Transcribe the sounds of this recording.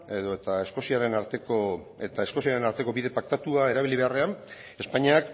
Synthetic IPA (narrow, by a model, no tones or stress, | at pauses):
e̞ðo̞et̪ae̞sko̞siaɾe̞naɾt̪eko | et̪ae̞sko̞siaɾe̞naɾt̪e̞ko̞βiðe̞pak̚t̪at̪uae̞ɾaβ̞iliβe̞are̞an | e̞spaɲiak